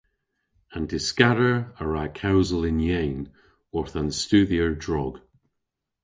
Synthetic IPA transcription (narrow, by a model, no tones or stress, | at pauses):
ə̃ndʰɪskaɾəɹəɹakʰawzəlˠɪ̃njeːn | ɔɹθə̃nstʉːðiəɹdɹɔɡ̥